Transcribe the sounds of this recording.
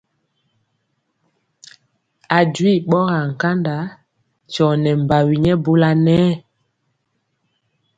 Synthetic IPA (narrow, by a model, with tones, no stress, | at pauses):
a˨dwi˦˨ɓɔ˦ɣa˨ŋ̩˨ka˦nda˨˦ | t͡ʃɔ˨nɛ˨m˨ba˨wi˨ɲɛ˦bo˦la˦nɛː˦